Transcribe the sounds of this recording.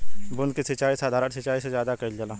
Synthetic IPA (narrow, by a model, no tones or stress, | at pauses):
bʊnkisɪt͡ʃaːisaːd̪ʱaːɾənsɪt͡ʃaːisezjaːd̪akɐild͡ʒɐlaː